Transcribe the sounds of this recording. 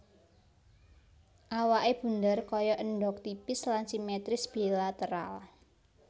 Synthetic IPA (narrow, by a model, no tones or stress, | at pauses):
ʔawaʔeb̥ṳnd̪ərkɔjɔʔəɳɖɔk̚t̪ipɪslansimɛt̪ɾɪsb̥ilat̪əɾa̰l